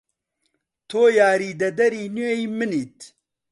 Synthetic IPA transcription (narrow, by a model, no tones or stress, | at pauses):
t̪ʰoːjaːɾiːd̪ɐd̪ɐɾiːnejmɨniːt̪